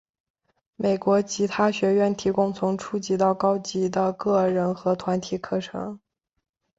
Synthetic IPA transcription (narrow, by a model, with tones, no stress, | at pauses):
me˨˩ɪkwɔ˧˥t͡ɕʰi˧˥t̪ʰa˥ɕɥɛ˧˥ɥɛ˥˩nt̪ʰi˧˥kʊ˥ŋt͡sʰʊ˧˥ŋʈ͡ʂʰu˥˩t͡ɕi˧˥t̪ɑ˥˩ʊkɑ˥ʊt͡ɕi˧˥d̪ə˧kɤ˥˩ɻə˧˥nxɤ˧˥t̪ʰwa˧˥nt̪ʰi˨˧˩kʰɤ˥˩ʈ͡ʂʰɤ̰˧˥ŋ